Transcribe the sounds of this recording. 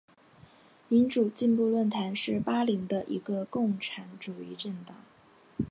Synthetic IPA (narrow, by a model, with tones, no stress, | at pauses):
mi˧˥nʈ͡ʂu˨˩t͡ɕi˥˧npu˥˧lwə˥˩nt̪ʰa˧˥nʂɻ̩˥˩pa˥li˧˥ŋd̪ə˧ʔḭ˧˥ɡə˧kʊ˥˩ŋʈ͡ʂʰa˧˥nʈ͡ʂu˨˩i˥˧ʈ͡ʂə˥˩nt̪ɑ˨˩˦ŋ